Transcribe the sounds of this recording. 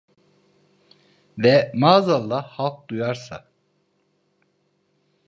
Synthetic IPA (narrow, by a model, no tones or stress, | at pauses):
vɛmaːzalˠːahalˠk̚d̪ujaɾsa̰